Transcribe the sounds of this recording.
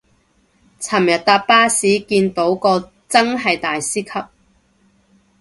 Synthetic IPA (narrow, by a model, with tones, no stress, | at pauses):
t͡sʰɐ˨˩mjɐ˨t̚t̪aː˧t̚paː˥siː˨˥kiː˧nt̪o˨˥wkɔː˧ | t͡sɐ˥ŋɦɐ˨jt̪aː˨jsiː˥kʰɐ˥p̚